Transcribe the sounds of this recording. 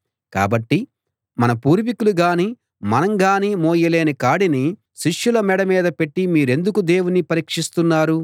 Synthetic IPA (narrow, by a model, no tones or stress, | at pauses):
ka̰ːbɐʈːi | mɐnɐpuːɾʋikuluɡaːni | mɐnɐŋɡaːnimoːjɐle̞ːnikaːɽini | ʃiʂjulɐmɛɽɐmiːd̪ɐpe̞ʈːimiːɾe̞nd̪ukud̪e̞ːwunipɐɾiːkʂist̪unːaːɾu